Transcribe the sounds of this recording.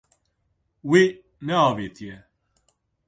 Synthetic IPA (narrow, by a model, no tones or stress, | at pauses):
wi | nɛɑːveːt̪ʰijɛ